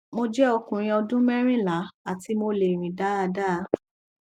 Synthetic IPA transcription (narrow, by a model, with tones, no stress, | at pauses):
mo˧d͡ʒɛ˦ɔ˧kũ˨ɾ̃ĩ˧ɔ˧dũ˦mɛ˦ɾ̃ĩ˦˨la˨˦a˨ti˧˦mo˧le˨ɾ̃ĩ˨da˨˦a˧da˦˨˦